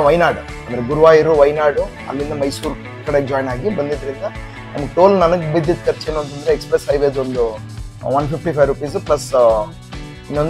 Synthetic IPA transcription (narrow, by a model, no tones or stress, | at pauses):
ʋɐjnaːɽu | ɐmɐɾiɡuɾuʋaːjiɾuʋɐjnaːɖu | ɐ̰lːind̪ɐmɐjsuːɾ | kːɐɽekd͡ʒaːjnaːɡibɐnd̪it̪ɐɾind̪a | nɐmɐkʈoːlnɐnɐkubid̪jɐt̪kɐɾt͡ʃeːnɐɳʈund̪ɐɾeekspɾesɦɐjʋed͡ʒond̪u | ʋɐnpʰipʰʈiːpʰɐjɾupiːsplɐs | inon